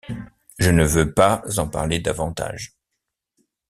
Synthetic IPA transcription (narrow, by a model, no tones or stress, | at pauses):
ʒənəvøpazɑ̃pa̰ʁled̪avɑ̃t̪a̰ʒ